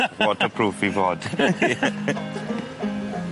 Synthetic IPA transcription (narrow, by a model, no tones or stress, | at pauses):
wɔtəpʰɹ̥uːfivɔːd̥